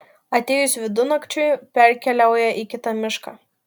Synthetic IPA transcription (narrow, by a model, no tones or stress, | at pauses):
ɐt̪ʲeːjʊsʋʲɪd̪ʊnɐkt͡ʃʲʊjpʲɛɾʲkʲɛlʲæˑʊjɛʔikʲɪt̪ɐmʲɪʃkɑ̰ː